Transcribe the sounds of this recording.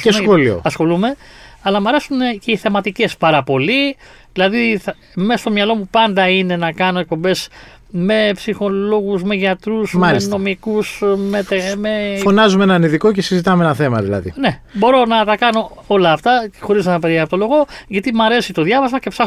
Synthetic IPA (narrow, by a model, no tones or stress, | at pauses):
cesxolio̰ɐsxo̞lume̞ | ɐlɐmɐɾe̞sunce̞iθe̞mɐt̪ice̞spɐɾɐpo̞li | ðilɐðiθɐ | mesɐst̪omɲɐlo̞mupɐnd̪ɐine̞nɐkɐno̞e̞k̚po̞mbe̞s | me̞psixo̞lo̞ɣuzme̞ʝɐt̪ɾuzmɐlissno̞mikusmet̪emefonɐzumenɐniðiko̞cesizit̪ɐmeenɐθe̞mɐ̰ðḭlɐ̰ðḭne̞bo̞ɾo̞nɐt̪ɐkɐno̞o̞lɐːft̪ɐxo̞ɾiznɐnɐpeiɐpot̪olo̞ɣo̞ʝɐt̪imɐɾe̞sit̪o̞ðʝɐvɐzmɐce̞psɐx